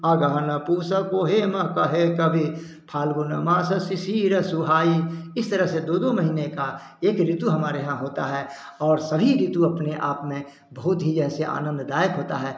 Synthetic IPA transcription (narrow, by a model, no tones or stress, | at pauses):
aːɡaɦnɐpuːsəkoɦemɐ̃kɐɦekɐbʱi | pʰaːlɡʊnamãːsɐsɪsiːɾɐsuɦaːiɪst̪əɾəɦsed̪oːd̪oməɦiːneka | eːkɾɪt̪uɦɐmaːɾeɦãɦoːt̪aɦɛː | ɔːɾsɐbʱiɾɪt̪uɐpneʔa̰ːpmẽ | bɐɦʊt̪ɦid͡ʒɛːseʔa̰ːnə̃nd̪d̪aːjəkɦoːt̪aɦɛː